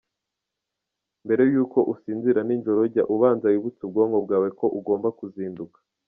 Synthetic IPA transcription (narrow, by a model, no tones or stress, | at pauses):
mbe̞ɾe̞juːko̞ʔusiːnziɾanind͡ʒo̞ɾoɟaʔuβaːnzawiβut͡sub̚ɡoːŋɡo̞b̚ɡaːwe̞ko̞ʔuɡo̞ːmbakuziːndukḁ